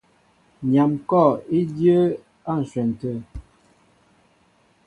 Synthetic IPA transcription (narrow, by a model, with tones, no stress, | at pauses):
ɲa˨mkɔ˦˨i˦djə˦ | a˦˨n̩˨swɛ˨n˨tə˨